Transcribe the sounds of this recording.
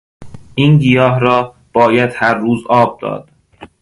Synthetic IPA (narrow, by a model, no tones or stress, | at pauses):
ʔiːnɡijɒːɦɾɒː | b̥ɒːjæd̪hæɾːuːzɒːb̚d̪̥ɒ̰ːd̪̥